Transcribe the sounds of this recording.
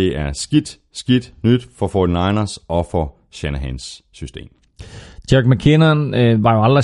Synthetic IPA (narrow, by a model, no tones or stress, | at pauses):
e̝ʔæɐsɡ̥id̥ | sɡ̥id̥nyd̥fɒ̽fɔːd̥inɑ̈ɪnɐsɒ̽fɒ̽ | ɕænəɦæ̰nsː | ysd̥e̝̰ːm | d̥æɡ̥mækʰenɐnʋɑ̈joæld̥ʁɐ